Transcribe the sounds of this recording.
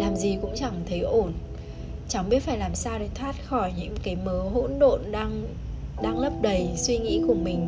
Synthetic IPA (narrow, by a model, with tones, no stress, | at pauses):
laː˨˩mzi˨˩kʊ̰˧˥ŋ͡mt͡ɕa˧˩ŋt̪ʰə˨˦jʔo˧˩n | t͡ɕa˨˩wŋ͡mɓi˦˥ət̚faː˧˩jlaː˨˩msaː˧wɗe˨˩˦t̪ʰwaː˦˥t̚xɔ˧˩jɲɨ̰˧˥ŋkaː˨˦jməː˨˦ɦo̰˧˥nɗo̰˧˨nɗaː˧ŋ | ɗaː˧ŋlə˦˥p̚ɗə˨˩jswi˧ŋḭ˧˥kʊ˨˩ŋ͡mmï˨˩ŋ̟